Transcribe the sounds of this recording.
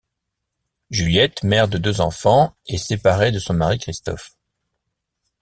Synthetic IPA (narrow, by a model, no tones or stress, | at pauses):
ʒyljɛt̪mɛʁd̪əd̪øzɑ̰̃fɑ̃esepaʁed̪əsɔ̃maʁikχist̪ɔ̰f